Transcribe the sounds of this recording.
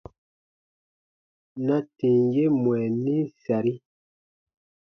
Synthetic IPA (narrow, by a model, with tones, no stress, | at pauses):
na˦tĩ˨ŋ˦je˦mwɛ˨ni˦sa˨ɾi˦